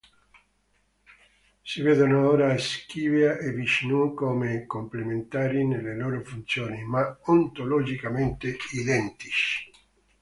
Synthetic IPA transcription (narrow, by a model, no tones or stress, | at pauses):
siveːd̪onooːɾaskiːveaʔevit͡ʃnukomekomplement̪aːɾinelːeloːɾofunt̪sjoːnimaont̪olod͡ʒikament̪eid̪ɛnt̪iʃ